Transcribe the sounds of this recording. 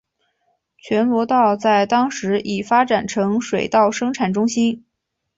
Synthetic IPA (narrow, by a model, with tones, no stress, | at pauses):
t͡ɕʰɥɛ˧˥nwɔ˧˥t̪ɑ˥˧ʊt͡sa˥˩ɪt̪ɑ˥ŋʂɻ̩˧˥ʔi˨˩fa˥ʈ͡ʂa˨˩nʈ͡ʂʰɤ˧˥ŋʂwe˨˩ɪt̪ɑ˥˩ʊʂɤ˥ŋʈ͡ʂʰa˨˩nʈ͡ʂʊ˥ŋɕi˥n